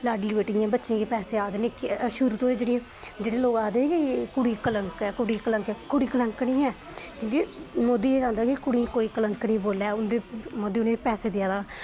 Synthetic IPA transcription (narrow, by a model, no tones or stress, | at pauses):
laːɖlibəːʈijãːbətːʃẽːkepɛːseːaːd̪eːnekʃʊɾut̪õːeːd͡ʒeːɽĩẽ | d͡ʒeːɽeːloːkaːd̪ẽkikʊɽiːkələŋkɛːkʊɽiːkələŋkːkʊɽiːkələŋknĩːɛːkõːkimoːd̪iːeːd͡ʒãːnd̪aːkɪkʊɽĩːkoːiːkələŋknĩːboːlɛːʊnd̪eːmoːd̪iːnẽːpɛːseːd̪ɪjaːd̪aː